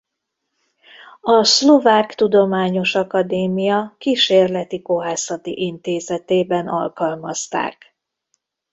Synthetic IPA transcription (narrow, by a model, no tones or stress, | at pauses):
ɒslovaːkt̪ud̪o̞maːɲo̞ʃɒkɒd̪eːmijɒkiʃeːrlɛt̪iko̞ɦaːsɒt̪ḭʔint̪eːzɛt̪eːbɛnɒ̰lkɒlmɒst̪a̰ːk